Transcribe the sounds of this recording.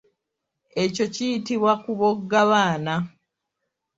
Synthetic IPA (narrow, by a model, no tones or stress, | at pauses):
e̞co̞cijitiβwakuβoɡːaβaːna